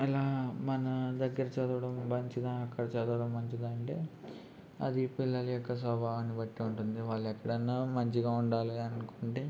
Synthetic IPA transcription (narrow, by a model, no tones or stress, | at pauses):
ilaːmɐnɐd̪ɐɡːɐɾɐt͡ʃɛd̪ɐʋɐɽɐmbɐɲt͡ʃid̪aːɐkːɐɽɐt͡ʃɛd̪ɐʋɐɽɐmːɐɲt͡ʃid̪aːɐɳʈe̞̰ː | ɐ̰d̪ipilːɐlɐjɔkːɐs̬ɐbʱaːʋɐnːibɐʈːiuɳʈund̪iʋaːɭːɛkːɐɽɐnːaːmɐɲt͡ʃiɡaːuɳɖaːliɐnukoːɳʈeː